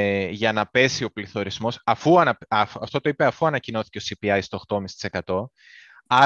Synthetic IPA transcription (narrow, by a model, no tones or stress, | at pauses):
ʝɐnɐpe̞sio̞pliθo̞ɾizmo̞sɐfuɐnɐɐft̪o̞t̪oipeɐfuɐnɐcino̞θi̥cesipiɐjst̪ooxt̪omisst̪i̥sekɐt̪o̞ | ɐ